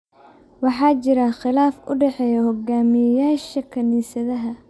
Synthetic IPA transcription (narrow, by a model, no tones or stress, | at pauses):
wɑħɑːt͡ʃɪɾɐχɪlaːfʊ̰ɖɛħɛjɐhɔɡaːmɪjɐjaːʃɐkʰɐniːsɐðɐɦɐ